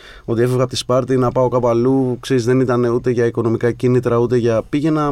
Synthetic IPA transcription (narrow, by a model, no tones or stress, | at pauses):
o̞t̪ie̞fevɣɐpot̪ispɐɾt̪inɐpɐo̞kɐpoɐlukseɾizðe̞nit̪ɐne̞ut̪e̞ʝɐiko̞no̞mikɐcinit̪ɾɐut̪e̞ʝɐpiʝe̞nɐ